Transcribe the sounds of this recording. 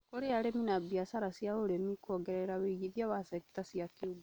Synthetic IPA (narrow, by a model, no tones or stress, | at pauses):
koɾeaɾeminabiasaɾasijaoɾemikɔɡɛɾɛɾaweiɣiðiaβasɛktasiakiuɡu